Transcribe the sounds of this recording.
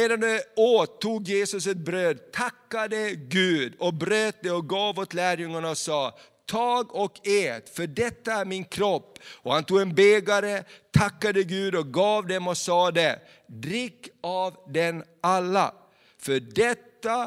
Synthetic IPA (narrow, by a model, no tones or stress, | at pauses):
eːd̪anoːt̪ʰːuːɡjeːsɵsɛt̪̚bɾøːd̪t̪ʰakːad̪əɡʉ̟ːd̪ɔbɾøːt̪̚d̪ɛɔɡɑːvoːt̪læːɾjɵŋːaɳaɔsɑː | t̪ʰɑːɡɔkʰeːt̪fœɖɛt̪ːaæɾmɪnkʰɾɔpːɔhant̪uːɡɛnbeːɡaɾət̪ʰakːad̪əɡʉ̟ːd̪ɔk̚ɡɑːvd̪ɛmɔsɑːd̪ɛ | d̪ɾɪkːavd̪ɛnalːa̰ | fœɖɛt̪ːa